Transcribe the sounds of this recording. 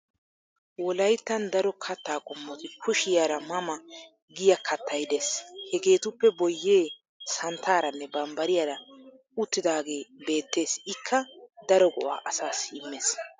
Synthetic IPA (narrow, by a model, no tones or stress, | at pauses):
wɔlɐjt̪ːɐnd̪ɐɾɔkʰɐt̪ːaːkʼɔmːɔt̪ɪkʰʊʃɪjaːɾɐmɐmɐ | ɡɪjɐkʰɐt̪ʰːɐjd̪eːshɛɡe̞ːt̪ʊpːɛbɔjːe̞ː | sɐnt̪ʰaːɾɐnːɛbɐmbɐɾɪjaːɾɐ | ʊt̪ːɪd̪aːɡe̞ːbe̞ːt̪ːe̞ːsɪkʰːɐd̪ɐɾɔɡɔ̰ʔa̰ːʔɐsaːsːɪɪmːeːs